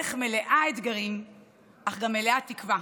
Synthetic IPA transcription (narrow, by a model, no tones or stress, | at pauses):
eχme̞leʔaet̪ɡaʁim | ʔaχɡameleatikva